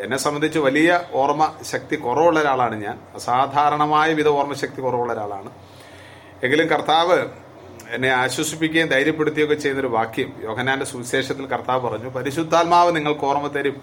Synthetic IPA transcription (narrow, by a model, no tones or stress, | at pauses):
enːe̞sɐmːɐnd̪ʱit͡ɕːɨʋɐlijɐoːrmɐɕɐk̚t̪ikurɐʋuɭːɐɾaːɭaːɳɨɲa̰ːnɐsaːd̪ʱaːɾɐɳɐmaːjɐʋid̪ʱɐʋoːrmɐɕɐk̚t̪ikurɐʋuɭːɐɾaːɭa̰ːɳɨ | e̞ŋɡilumkɐrt̪aːʋɨ | enːe̞aːɕwɐsipːikʲːaːnd̪ʱɐjɾjɐpːe̞ɽut̪ːijokːet͡ɕe̞jnɐoɾuʋaːkʰjɐmjo̞ːkʰɐnːaːnde̞suʋiɕe̞ːʂɐt̪ːilkɐrt̪aːʋɨpɐrɐɲːupɐɾiɕud̪ʱːaːlmaːʋɨniŋːɐɭkɨoːrɐmɐt̪ːɐɾum